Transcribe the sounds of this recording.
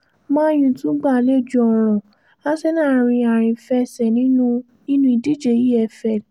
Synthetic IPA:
mãː˦j̃ĩ˧tũ˨˦ɡ͡ba˦˨le˦˨d͡ʒu˧˦ɔ˧ɾ̃ɔ̃˨ | a˦sɛ˦nãː˦˧˨ɾ̃ĩ˧a˨ɾ̃ĩ˨fɛ˧sɛ˨nĩ˨˦nũ˦ | nĩ˦nũ˦i˧di˨˦d͡ʒe˨ji˦ɛ˧fɛ˦˨

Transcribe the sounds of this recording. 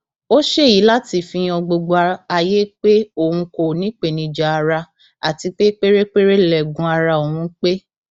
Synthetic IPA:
o˦ʃe˦˨ji˨˦la˦ti˦˨fĩ˧ɔ˧ɡ͡bo˧ɡ͡ba˧a˧je˦k͡pe˦o˦˨hũ˧ko˨nĩ˨˦k͡pe˨nĩ˧d͡ʒa˨a˧ɾa˧ | a˨ti˧k͡pe˦k͡pe˦ɾe˦k͡pe˦ɾe˦˨lɛ˨ɡũ˧a˧ɾa˧o˨hũ˧˦k͡pe˦

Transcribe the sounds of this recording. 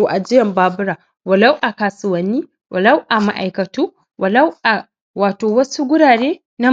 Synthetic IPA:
o˨ʔa˨d͡ʒɪ˦jɐ˨mbaː˦bʊ˦ɾaː˨ | wɐ˨lɐ˦wʔa˨kaː˨sʊ˨wɐ˨nːiː˦ | wʔɐ˨lɐ˦wʔa˨ma̰˦˨ʔa˨jkɐ˨tuː˦ | wʔɐ˨lɐ˦wʔa˨ | waː˨toː˨wɐ˦su˦ɡʷʊ˦ɽaː˨ɽeː˦ | na˦

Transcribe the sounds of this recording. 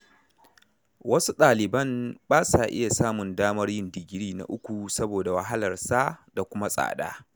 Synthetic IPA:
wɐ˦su˦ɗaː˨lɪ˨bɐ˦mbaː˦sa˨ʔɪ˦ja˨saː˦mʊ˨ndaː˦mɐ˦rjɪ˦ndɪ˨ɡʲɪ˦ɽiː˦na̰˨ʔʊ˦kʷu˨sɐ˦boː˨da˨wa˨ɦa˦lɐ˨rsa˦da˨kʷʊ˦ma˦sʼa̰ː˨ɗa̰ː˦

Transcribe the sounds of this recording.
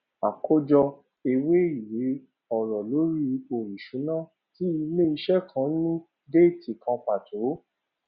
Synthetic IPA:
a˨kʰo˦d͡ʒɔ˧ | e˧we˦i˨we˨˦ | ɔ˨ɾɔ˨lo˨˦ɾi˦o˨ɾi˨ʃũ˨˦nã˦ | ti˦i˧me˦i˧ʃɛ˦kʰã˧˦nũ˦ | de˦˨ti˨kʰã˧pa˨tʰo˨˦

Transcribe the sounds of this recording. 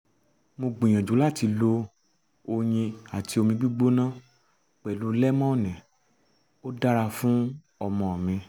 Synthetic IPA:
mo˧ɡ͡bĩ˨j̃ã˨d͡ʒũ˨˦la˦˨ti˧lo˧ | o˧j̃ĩ˧a˨ti˨˧o˧mĩ˧ɡ͡bi˦ɡ͡bo˦nã˦ | k͡pɛ˨lu˨˦lɛ˦mɔ̃˦ɔ˦˨nɛ̃˨ | o˦da˦ɾa˧fũ˦ | ɔ˧mɔ̃˧ɔ˨mĩ˧

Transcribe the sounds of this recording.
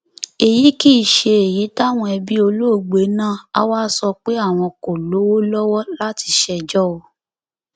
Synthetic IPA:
e˨ji˨˦ki˦i˨ʃe˧e˨ji˨˦ta˦˨w̃ɔ̃˧ɛ˧bi˦o˧lo˦˨ɡ͡be˨˦nãː˦˨a̰˧waː˦sɔ˧k͡pe˦a˦˨w̃ɔ̃˧ko˨lo˨˦wo˦lɔ˦wɔ˦la˦ti˧ʃɛ˧d͡ʒɔ˦o˧

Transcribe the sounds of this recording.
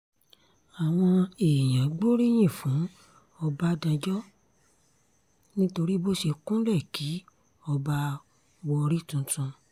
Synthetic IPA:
a˨w̃ɔ̃˧e˨j̃ã˨˦ɡ͡bo˦ɾi˦j̃ĩ˦˨fũ˨˦ | ɔ˧ba˦dã˧d͡ʒɔ˦ | nĩ˦to˧ɾi˦bo˦ʃe˧kũ˦lɛ˦˨ki˨˦ | ɔ˧ba˦ | wɔ˧ɾi˦tũ˧˦tũ˧

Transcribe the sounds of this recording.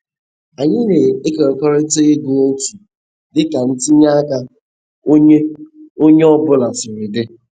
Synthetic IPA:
a˨ɲɪ˦ne˨e˦ke˨ɾɔ˨kɔ˦ɾɪ˦te˦ɣɪ˦ɡʊ˨o˦tu˨ | dɪ˦ka˨n̩˦ti˦ɲa˦a˦ka˦ | o˦ɲe˦ɔ˦bʊ˦la˨sʊ˨ɾɪ˨dɪ˦

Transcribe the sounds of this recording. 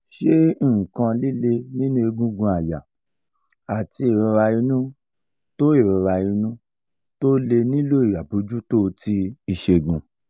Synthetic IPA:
ʃẽ˦˨kã˧li˦le˧nĩ˦nũ˦e˧ɡũ˦ɡũ˧a˨ja˨ | a˨ti˧i˨ɾĩ˧ɾa˧i˧˦nũ˦ | to˦i˦˨ɾĩ˧ɾa˧i˧nũ˦ | to˦le˧nĩ˦lo˦i˨ja˨bu˧˦d͡ʒu˦to˦˧ti˦i˧ʃe˧˨ɡũ˧

